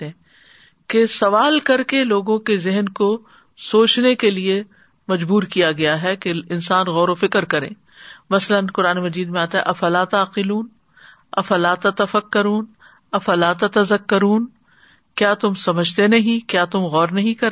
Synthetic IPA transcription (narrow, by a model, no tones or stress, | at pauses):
kesɐʋaːlkɐɾkeloːɡõkezɪɦənko | soːt͡ʃnekelie | mɐd͡ʒbuːɾkijaɡɐjaɦɛkeɪ̃nsaːnɣɔːɾofɪkɾkɐɾḛ̃ː | mɐslənqʊɾaːnemɐd͡ʒiːd̪mẽaːt̪aɦɛ̰ʔɐfɐlat̪aːqɪluːn | ɐfɐlaːt̪ɐt̪ɐfɐkːɐɾuːn | ɐfɐlaːt̪ɐt̪ɐzɐkːɐɾuːn | kjaːt̪ʊmsɐməd͡ʒʱt̪enɐɦĩkjaːt̪ʊmɣɔːɾnɐɦĩkɐɾ